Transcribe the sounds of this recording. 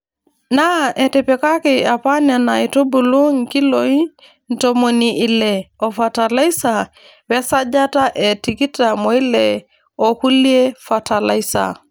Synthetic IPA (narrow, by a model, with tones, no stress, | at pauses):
na˦ʔɛ˨te˨pɛ˨ka˦ki˨a˨pa˦na˨na˨i˨tu˦bu˨lu˦ŋki˦loi˦ | n̩˨to˨mo˨niʔi˨lɛ˨ɔ˨fa˨ta˨la˦i˦sa˨ | wɛ˦sa˦d͡ʒa˦ta˦ʔɛ˨ti˨ki˦ta˨mɔ˨i˦lɛ˨ | o˨ku˦lie˦fa˨ta˨la˨i˦sa̰˨